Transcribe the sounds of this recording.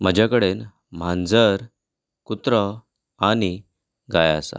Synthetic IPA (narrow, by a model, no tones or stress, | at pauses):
m̤əd͡ʑʱjakəɽen | m̤ãnd͡zəɾ | kut̪ɾə | ani | ɡajasa̰